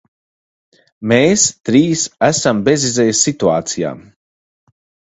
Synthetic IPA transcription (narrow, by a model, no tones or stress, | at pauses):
meːst̪ɾiːsæsambezizɛjsːit̪ua̰ːt̪sija̰ː